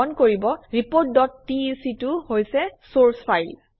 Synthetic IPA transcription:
ɔnkoɹibɔɹipot̚dɔtːisituhojsɛsoɹspʰajl

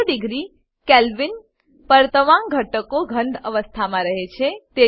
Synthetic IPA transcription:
ɖɪɡɾi | kelʋin | pəɾt̪əʋãŋɡʱəʈəkoɡʱə̃ɳd̪əʋəst̪ʰamãɾəɦet͡ʃʰet̪e

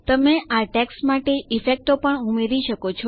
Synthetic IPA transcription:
t̪əmeʔaʈɛksmaʈeʔifek̚ʈopəɳumeɾiʃəkot͡ʃʰɔ

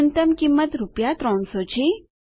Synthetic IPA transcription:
nt̪əmkimːət̪ɾupjat̪ɾɔ̃ɳsɔt͡ɕʰi

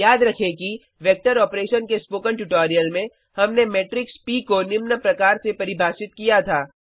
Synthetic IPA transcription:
jaːd̪ɾɐkʰeki | ʋɛːk̚ʈəɾɔːpɾeːʃənkespoːkə̃ɳʈuʈɔːɾijəlmẽ | hɐmnemeːʈɾɪkspiːkonɪmnəpɾɐkaːɾsepɐɾɪbʱaːʃɪt̪kijat̪ʰaː

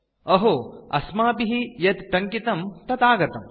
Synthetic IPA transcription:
ɐɦoːɐ̰smaːpiɦijɐt̪ʈɐŋkit̪ɐmt̪ɐt̪aːɡɐt̪ɐm

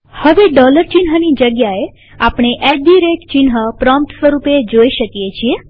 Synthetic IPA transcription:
həʋeɖɔləɾt͡ʃinɦənid͡ʒəɡjae | apɽ̃eʔɛɖiɾek̚ʈt͡ʃinɦəpɾɔ̃mp̚ʈsʋəɾuped͡ʒoiʃəkijet͡ʃʰie

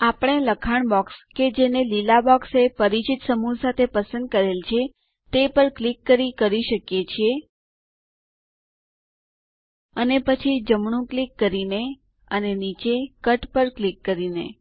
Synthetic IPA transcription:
apəɳ̃eləkʰaɳbɔksked͡ʒenelilabɔksepəɾit͡ʃit̪səmusat̪ʰepəsə̃nd̪̚kəɾelt͡ʃʰe | t̪epəɾklikːəɾikəɾiʃəkjet͡ʃʰie | ənepət͡ʃʰid͡ʒəmɳ̃ũklikːəɾine | ənenit͡ʃekəʈpəɾklikːəɾinḛ

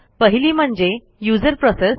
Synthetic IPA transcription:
pəɦiliːm̤əɳd͡ʑe | juːd͡zəɾpɾɔses

